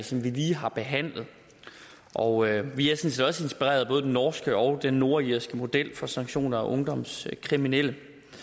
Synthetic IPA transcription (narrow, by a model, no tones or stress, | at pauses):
sɒ̽mʋiliːɦɑ̈b̥e̝ɦæn̰lð̞̩ˠ | ʔɒ̽ʊʋiæɐsɔ̽n̩sed̥ɒ̽səe̝nsb̥iʁḛːɐðˠbɔ̽ːðˠd̥enɒːsɡ̥əʔɒ̽ʊd̥enːo̝ɐiɐsɡ̥əmo̝d̥el̰fɒ̽sɑ̈ŋ̥ɕo̝̰ːnɐæʔɔ̽ŋd̥ɒ̽m̰skʰʁiminel̰ə